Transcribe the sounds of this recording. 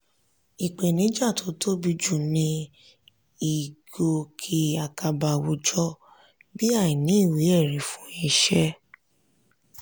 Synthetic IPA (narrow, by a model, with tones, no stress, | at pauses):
i˨k͡pe˨nĩ˨˦d͡ʒa˦˨to˨˦tʰo˦bi˧d͡ʒu˦˨nĩ˧ | i˨ɡ̥o˧kʰi˧a˨ka˧ba˨˧wu˧˦d͡ʒɔ˦ | bi˦a˦˨ji˨nĩ˨˦i˦˨wi˨˦ɛ˦˨ɾĩ˨˦fũ˨˦i˧ʃɛ˦